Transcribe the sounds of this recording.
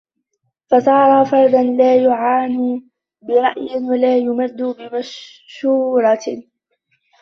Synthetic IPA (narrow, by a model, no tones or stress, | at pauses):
fasˤɑːɾˤɑfɑɾˤd̪ɑnlaːjʊʕaːniː | bɪɾˤɑʔjɪwalaːjʊmad̪ːuːbɪmaʃ | ʃuːɾˤɑ